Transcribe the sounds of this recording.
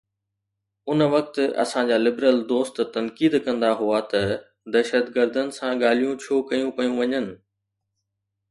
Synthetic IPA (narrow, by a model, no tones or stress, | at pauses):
ʊnʋɐk̚t̪ɐ̰sãd͡ʑaːlɪbɾəld̪oːst̪t̪ɐnkiːd̪kɐ̃nd̪aɦuat̪ɐ | d̪ɐʃət̪ɡəɾd̪ənɪ̆sãɠaːl̤ijũt͡ɕʰoːkɐjũpɐjũʋɐɲənɪ̆